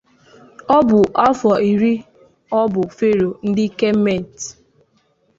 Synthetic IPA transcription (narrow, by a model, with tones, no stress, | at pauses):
ɔ˦bʊ˨ʔa˦fɔ˨i˨ɾi˦ | ɔ˦bʊ˨fe˦ɾo˨n̩˦dɪ˦ke˦m̩˦me˦˨n˨t